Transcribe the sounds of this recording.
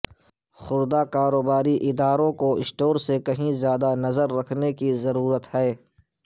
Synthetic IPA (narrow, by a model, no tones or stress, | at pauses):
xʊɾd̪akaːɾoːbaːɾiʔɪd̪aːɾõkoɪsʈoːɾsekɐɦĩzjaːd̪anɐzəɾːɐkʰnekizɐɾuːɾət̪ɦɛː